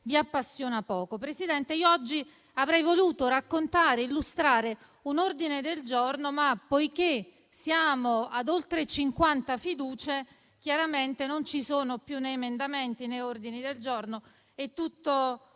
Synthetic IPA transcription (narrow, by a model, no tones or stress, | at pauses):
viapːasːjoːnapɔːkopɾesid̪ɛnt̪eiːoɔd͡ʒːi | avɾɛjvoluːt̪oɾakːont̪aːɾeilːust̪ɾaːɾe | unord̪ined̪eld͡ʒornomapːojk̟e | sjaːmoad̪olt̪ɾet͡ʃiŋkwant̪afid̪uːt͡ʃe | k̟jaɾament̪enont͡ʃisoːnopjunːeːmend̪ament̪inejord̪inid̪eld͡ʒorno | ɛt̪ːut̪ːo